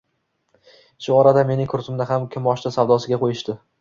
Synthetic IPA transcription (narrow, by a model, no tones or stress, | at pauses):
ʃʊɒɾad̪ame̞nɪŋkʰʊɾt̪ɪmd̪aɦamkʲʰɪmɒʃt̪asawd̪ɒsɪɡʲaqʰojɪʃt̪ɪ